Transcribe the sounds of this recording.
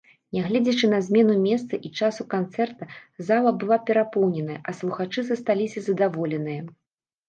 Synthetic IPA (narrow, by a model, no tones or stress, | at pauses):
nʲɛɣlʲɛd͡zʲɛt͡ʂɨnɐzʲmʲɛnumʲɛst̪sɐʔit͡ʂasukant̪sɛrt̪ɐzalˠɐbɨlˠapʲɛɾapɔwnʲɛnɐjɐʔɐslˠuxat͡ʂɨzɐst̪alʲisʲɐzɐd̪avɔlʲɛnɨjɐ